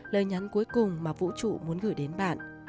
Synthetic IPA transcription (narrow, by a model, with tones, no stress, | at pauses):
ləː˨˩jɲa˨˦nku˨˦əjkʊ˨˩ŋ͡mmaː˨˩vṵ˧˥t͡ɕṵ˧˨mu˨˦ənɣɨ̰˧˩jɗe˨˦nɓa̰ː˧˨nʔ